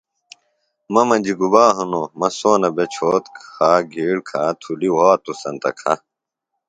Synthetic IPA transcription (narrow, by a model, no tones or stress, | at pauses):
mɐmɐd͡ʑiɡubaːɦunomɐsoːnɐbet͡ɕʰoːt̪kaːɡʱiːɽkʰaːt̪ʰuliwaːt̪usɐnt̪ɐ̰kʰɐ̰